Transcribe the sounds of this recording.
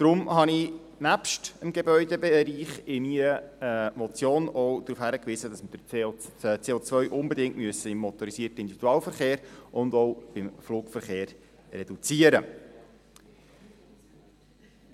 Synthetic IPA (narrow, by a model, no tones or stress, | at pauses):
d̥ɾʊmhɑni | næpʃtəmɡebœʏdebeɾiːχɪmiɾəmɔt͡sjoːnɔwd̥̪ɾuːfhæɾəkʋiːzəd̥ɑsməd̥ə | t͡seːot͡svœʏʔʊmbɛd̪ɪŋtmyəsːəɪmːɔt̪ɔɾisiːrtəɪnd̪ividuɑːlfəɾχeːɾʔʊnd̪ɔʊb̥ɪmfluːkfəɾχeːɾː | ɛd̥ut͡siəɾə